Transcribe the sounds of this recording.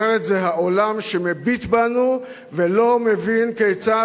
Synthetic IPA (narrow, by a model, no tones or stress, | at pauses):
eʁet̪zeɦaʔo̞lamʃemebit̪banu | velo̞mevinkejt͡sa